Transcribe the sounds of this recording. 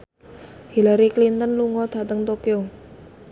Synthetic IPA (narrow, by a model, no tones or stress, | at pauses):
hilaɾiklint̪ənluŋɔt̪a̤t̪əŋt̪okio